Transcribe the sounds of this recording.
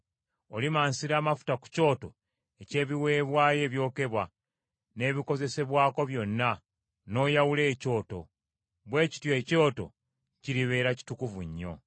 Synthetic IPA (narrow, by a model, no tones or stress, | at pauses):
olimaːnsiɾaːmafu̥taku̥co̞ːto̞ | ece̞ːβiwe̞ːβwaːje̞ːβjo̞ːke̞βwa | ne̞ːβiko̞ze̞se̞βwaːko̞βjo̞nːa | no̞ːjawule̞ːco̞ːto̞̰ | βwe̞ːci̥tjo̞co̞ːto̞̰ | ciɾiβe̞ːɾaci̥tukuvuɲːo̞̰